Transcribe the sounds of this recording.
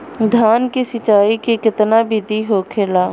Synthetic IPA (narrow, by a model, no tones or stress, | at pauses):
d̪ʱaːnkesɪt͡ʃaːikekɪt̪nabʱɪd̪ʱiɦoːkʰeːlaː